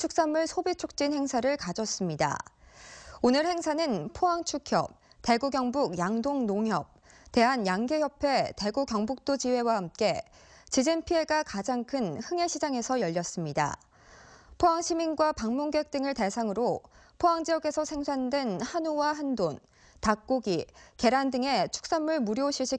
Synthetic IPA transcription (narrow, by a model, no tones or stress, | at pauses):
t͡ɕʰuk̚s͈amɯɭsʰobit͡ɕʰok̚t͡ɕ͈inhe̞ŋsʰaɾɯɭkad͡ʑʌs͈ɯmɲida̰ | onɯɭhe̞ŋsʰanɯnpʰoɦaŋt͡ɕʰukʰjʌ̰p̚ | te̞ɡuɡjʌŋbuɡjaŋdoŋnoŋɦjʌp̚ | te̞ɦanjaŋɡe̞çjʌpʰe̞te̞ɡuɡjʌŋbuk̚t͈od͡ʑiwe̞wahamk͈e̞ | t͡ɕid͡ʑinpʰie̞ɡakad͡ʑaŋkʰɯnhɯŋe̞ɕʰid͡ʑaŋe̞sʰʌjʌʎːʌs͈ɯmɲida̰ | pʰoɦaŋɕʰiminɡwapaŋmuŋɡek̚t͈ɯŋɯɭte̞sʰaŋɯɾopʰoɦaŋd͡ʑijʌɡe̞sʰʌsʰe̞ŋsʰandwenhanuwaɦandon | tak̚k͈oɡike̞ɾandɯŋe̞t͡ɕʰu̥k̚s͈anːuɭmuɾjoɕʰiɭɕ͈i